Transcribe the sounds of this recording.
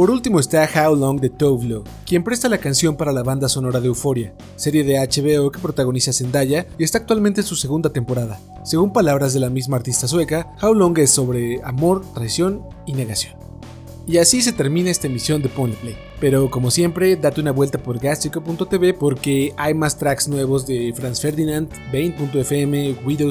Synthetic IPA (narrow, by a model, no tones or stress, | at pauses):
po̞ɾult̪imo̞est̪axawloŋɡd̪e̞t̪owvlo | kje̞mpɾe̞st̪alakansjo̞mpaɾalaβand̪aso̞no̞ɾaðe̞ufo̞ɾja | se̞ɾje̞ðeat͡ʃe̞βe̞oke̞pɾo̞t̪aɣ̞o̞nisase̞nd̪aʝaiest̪aːk̚t̪walment̪ensuse̞ɣ̞und̪at̪e̞mpo̞ɾaða | se̞ɣumpalaβɾazðe̞lamizmaːɾt̪ist̪as̬we̞kaxawloŋɡe̞sːo̞βɾe̞amo̞ɾt̪ɾajsjo̞n | ine̞ɣasjo̞n | iasis̬e̞t̪e̞ɾmĩnae̞st̪aemisjo̞nd̪eponplej | pe̞ɾo̞ko̞mo̞sje̞mpɾe̞ðat̪eunaβwe̞lt̪apo̞ɾɡast̪ikopunt̪ot̪e̞βepo̞ɾke̞ajmast̪ɾaksnwe̞βo̞zðe̞fɾansfe̞ɾðinand̪bejnpunt̪oefeemewiðe